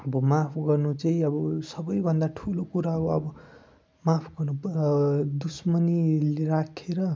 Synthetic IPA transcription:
ʌbʌmapʰɡʌrnut͡saĩʌbʌsʌbʌjbʱʌnd̪aʈʰulokuɾaʌbʌʌbʌ | mapʰɡʌrnu | d̪usmʌnilerakʰeɾʌ

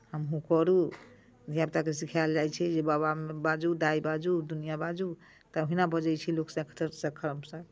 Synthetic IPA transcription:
həmɦũkɔɾu | d̪ʱjapt̪akesikʰald͡ʒajt͡ʃʰɛd͡ʒebaβamebad͡ʒud̪aibad͡ʒud̪unijabad͡ʒu | t̪əɦinabʱəd͡ʒəjt͡ʃʰiloksə̃kʰət̪əɾsə̃kʰəɾmsə̃

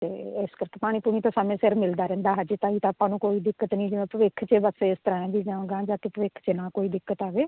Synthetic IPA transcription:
t̪eːɪskəɾkeːpaːɽ̃iːpuːɽ̃iːt̪õːsaːmẽːsɪɾmɪld̪aːɾɛ̃ːnd̪aːɦəd͡ʒet̪ãːiːt̪aːpãːnũːkoːiːd̪ɪkːət̪nĩːd͡ʒɪʋẽːpəʋɪkʰt͡ʃeːbəseɪst̪əɾãːẽːd̪iːd͡ʒãːɡãːd͡ʒaːkeːpəʋɪkʰt͡ʃeːnaːkoːiːd̪ɪkːət̪aːʋeː

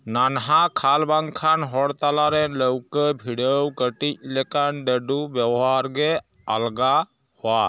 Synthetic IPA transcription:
nanɦakʰalbaŋkʰanɦɔɽt̪alaɾɛləwkəbʱiɖəwkəʈic̚lɛkanɖəɖubjabɔɦaɾɡe | alɡa | hɔwa

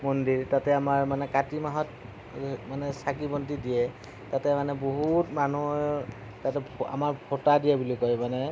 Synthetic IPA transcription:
mɔndiɹtatɛamaɹmanɛkatimaɦɔt | manɛsakibɔntidijɛ | tatɛmanɛboɦutmanu | tatɛa̰maɹbʰʱotadijabulikɔjmanɛ

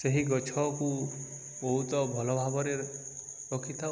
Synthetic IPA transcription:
seɦiɡɔt͡ʃʰɔku | bɔɦut̪ɔbʱɔlɔbʱabɔɾeɾ | ɾɔkʰit̪ʰa

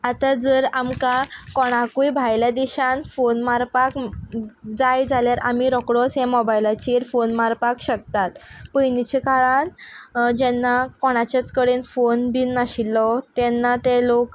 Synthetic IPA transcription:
at̪ad͡zəɾamkakɔɽ̃akujbʱajljad̪iɕãnfonmaɾpak | d͡zajd͡zʱaljaɾʔa̰miɾɔkɽɔsɦɛ̃mɔbajlat͡ɕiɾfonmaɾpakɕək̚t̪at̪pəjnit͡ɕikaɭand͡ʑɛnːakɔɽ̃at͡ɕat͡skəɽenfonbiːnːaɕilːɔt̪ɛnːat̪elok

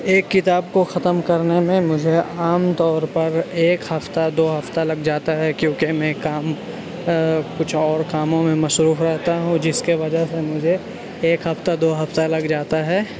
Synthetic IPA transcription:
eːkːɪt̪aːbkoxɐt̪əmkɐɾnemẽmʊd͡ʒʱeaːmt̪ɔːɾpɐɾeːkhɐft̪ad̪oːɦɐft̪alɐɡd͡ʒaːt̪aɦɛkjõːkemɛ̃kaːm | kʊt͡ʃʰɔːɾkaːmõmẽmɐʃɾuːfɾɛɦt̪aɦũd͡ʒɪskeʋɐd͡ʒəɦsemʊd͡ʒʱe | eːkɦɐft̪ad̪oːɦɐft̪alɐɡd͡ʒaːt̪aɦɛː

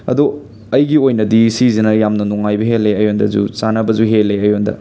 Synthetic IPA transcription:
ɐ̰du | ɐjɡiojnɐdisizinɐjamnɐnuŋajbɐɦelːeɐjondɐ̰zṵt͡ʃanɐbɐzuɦelːeɐjondɐ̰

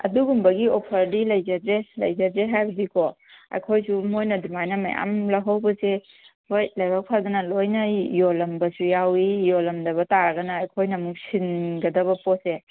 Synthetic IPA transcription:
ɐ̰duɡumbɐɡiopʰɐɾdilɐjzɐzelɐ̰jzɐzeɦajbɐdikʰɔ | ɐ̰jkʰojsumojnɐdumajnɐma̰ja̰mlɐɦawbɐse | hojlajbak̚pʰadɐnɐlojnɐjolɐmbɐsujawijɔlɐmdɐβɐtaɾɐɡɐnɐːjkʰojnɐmuk̚sinɡɐdɐβɐpɔse

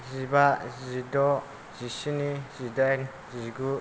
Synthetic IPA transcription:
zibaʔzidɔ | z̥isinizidan | ziɡu

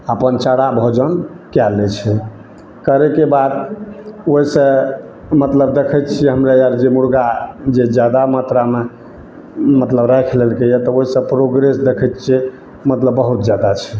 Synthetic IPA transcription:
əpənt͡ʃaɽabʱod͡ʒən | kjalɛt͡ʃʰɛ | kəɾekebad̪ | oɦisə̃ | mət̪ləb̚d̪ekʰət̪t͡ʃʰiɛɦəmɾejaɾd͡ʒemuɾɡad͡ʒed͡ʒjad̪amat̪ɾame | mət̪ləbɾajkʰlelkejɛt̪ɔoɦisə̃pɾoɡɾesd̪ekʰɛt̪̚t͡ʃʰi | mət̪ləbːəɦut̪d͡ʒjad̪at͡ʃʰɛ

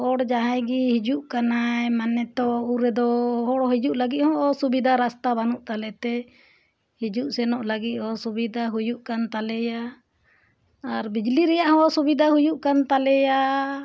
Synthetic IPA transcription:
ɔɽd͡ʒaɦajɡihid͡ʒuʔkanaɛmanɛt̪ɔuɾɛd̪ɔɦɔɽɦid͡ʒuʔlaɡit̪̚hɔ̃ʔɔsubid̪ʱaɾast̪abanuʔt̪alɛt̪ɛ | hid͡ʒuʔsɛnɔʔlaɡit̪̚ˀhɔsubid̪ʱaɦujuʔkant̪alɛja | ɾbid͡ʒliɾɛjaʔhɔ̃subid̪ʱaɦujuʔkant̪alɛja

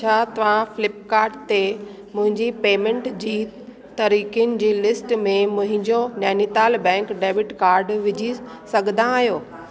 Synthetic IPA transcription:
t͡ɕʰaːt̪ɐʋ̤ãfɪlɪp̚kaːɾɖ̚t̪e | mʊ̃ɦɪ̃ɲd͡ʑipeːmẽɳʈd͡ʑiː | t̪ɐɾiːkijnɪ̆d͡ʑiːlɪsʈmẽmʊ̃ɦɪ̃ɲd͡ʑonɛːnit̪aːlbɛ̃ːŋkɖeːʋɪʈkaːɾɖʋɪd͡ʑʱi | sɐɡʱə̃nd̪ãːɦijoː

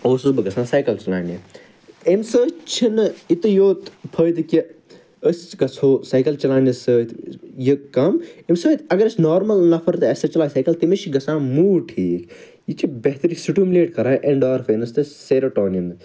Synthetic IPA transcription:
oːsɨbɨɡɐsãːsaːjkɐlt͡ʃɐla̰ːni | emsəːt͡ʃʰinit̪ɨjoːt̪pʰəːjd̪ɨki | əst͡ʃɡɐsʰoːsaːjkɐlt͡ʃɐlaːnɐsəːt̪jikɐmemsəːt̪ɐɡɐɾɐsʲnoːɾmɐlnɐpʰɐɾt̪ɨɐsɐt͡ʃɐlaːsaːjkɐlt̪imet͡ʃiɡɐsãːmuːʈʰiːk | jit͡ʃibeɦt̪ɐɾisuʈumleːʈkɐɾaːʔeɳɖaːɾfʰɐnɐst̪ɨseːɾoʈoːnijɐn

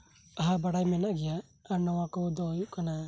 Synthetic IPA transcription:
aɦabaɾajmenaɡiaː | ɾnɔwakɔdɔjukana

